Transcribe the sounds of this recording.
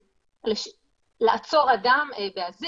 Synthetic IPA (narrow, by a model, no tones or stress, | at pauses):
leʃ | laʔat͡so̞ʁad̪ambeazi